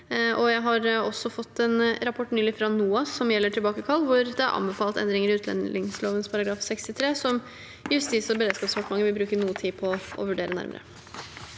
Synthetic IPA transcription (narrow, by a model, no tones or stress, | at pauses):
ʔɔjæɪɦɑɾɔsːɔfɔt̪ʰːɛnɾɑpʰɔʈːnyːlɪfɾɑnuːɑsːɔmjɛlːəʈʰɪlbɑːkəkʰɑlːʋʊɾd̪ɛɑ̰ɾʔɑ̰nbɛfɑːlt̪ɛ̰nd̪ɾɪŋəɾɪʉːt̪lɛ̰nɪŋsloːʋənspʰɑɾɑɡɾɑːfsɛkst̪ɪt̪ʰɾeːsɔm | jʉst̪iːsɔbəɾeːd̪skɑːpsfɔʈmɑŋːəʋɪlbɾʉːkənuːət̪ʰiːpʰɔʔɔ̰ʋʉɖeːɾənæ̰ɾmə̰ɾə̰